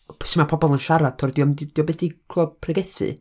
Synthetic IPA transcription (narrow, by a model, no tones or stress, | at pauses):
sɪmapʰɔbɔlˠənʃaɾatʰɔrdiɔmdid̥iɔbeθikʰlˠɔpʰrɛɡɛθɨ̰